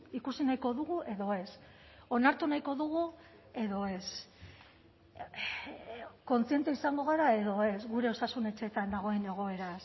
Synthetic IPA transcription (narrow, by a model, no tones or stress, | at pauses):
ikusinajko̞ðuɣ̞uʔe̞ðo̞e̞s | o̞naɾt̪unajko̞ðuɣ̞u | e̞ðo̞e̞s | ko̞nt͡sie̞nt̪eisaŋɡo̞ɣaɾae̞ðo̞e̞zɣuɾe̞o̞sasune̞t͡ʃe̞t̪and̪aɣ̞o̞e̞ne̞ɣ̞o̞e̞ɾas